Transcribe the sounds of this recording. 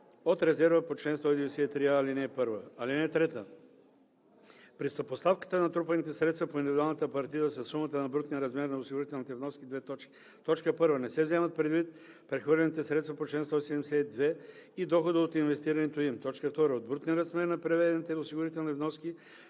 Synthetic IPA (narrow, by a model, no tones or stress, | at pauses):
ot̪ɾɛzɛɾvəpot͡ʃlɛnst̪ɔid̪ɛvɛsɛɛt̪ɾiaːlinɛːpɤɾvəalinɛt̪ɾɛt̪ə | pɾisɐpost̪afkə̥t̪ənɐt̪ɾupɐnit̪ɛsɾɛt̪st̪vɐpoind̪ividʊalˠnət̪əpɐɾt̪iəsɐsːumət̪ənɐbɾut̪niɾɐzmɛɾnɐosiɡʊɾit̪ɛlˠnit̪ɛvnɔskʲid̪vɛt̪ɔt͡ʃki̥ | t̪ɔt͡ʃkəpɤɾvənɛsɛvzɛmɐt̪̚pɾɛd̪vit̪̚ | pɾɛxvəɾlʲɛnit̪ɛsɾɛt̪st̪vɐpot͡ʃlɛnst̪ɔisɛd̪ɛmsɛd̪vɛid̪ɔxod̪əot̪invɛst̪iɾɐnɛt̪oimt̪ɔt͡ʃkəft̪ɔɾəod̪̚bɾut̪niɾɐzmɛɾnɐpɾɛvɛd̪ɛnit̪ɛosiɡʊɾit̪ɛlˠnivnɔski